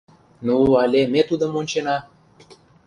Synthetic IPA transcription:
nuɑlʲemʲet̪ud̪ə̆monʲt͡ɕenɑ

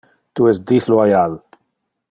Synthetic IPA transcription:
t̪uɛsd̪islwajal

